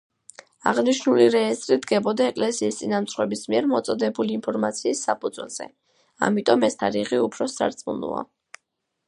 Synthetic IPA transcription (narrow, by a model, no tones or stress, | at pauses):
a̰ʁniʃnuliɾɛːst̪ʼɾid̪ɡɛbɔd̪aɛkʼlɛsiːst̪sʼinamt̪sʰχwɛbismiɛɾmɔt̪sʼɔd̪ɛbuliːnpʰɔɾmat̪sʰiːsːapʰʼud̪z̥wɛ̰lˠz̥ɛ̰ | a̰mit̪ʼɔmɛst̪ʰaɾiʁiupʰɾɔsa̰ɾt̪sʼmṵnṵa̰